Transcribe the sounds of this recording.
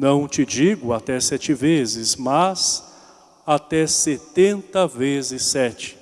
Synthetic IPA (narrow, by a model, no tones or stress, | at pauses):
nɐ̃w̃t͡ʃɪd͡ʒiɡʊat̪ɛsɛt͡ʃɪvezɪzmaz | at̪ɛset̪ẽnt̪ɐvezɪsɛt͡ʃɪ̥